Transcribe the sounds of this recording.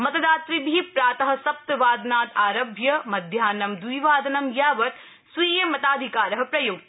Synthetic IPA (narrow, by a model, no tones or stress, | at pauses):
mɐt̪ɐd̪aːt̪ɾibʱipɾaːt̪ɐɦɐ̆sɐp̚t̪ʋaːd̪naːt̪aːɾɐbʱjɐmɐd̪ʱjaːnɐmd̪wiːʋaːd̪ɐnɐmjaːʋɐt̪ | sʋiːjɐmɐt̪aːd̪ʱikaːɾɐɦɐ̆pɾɐjuɡ̪̚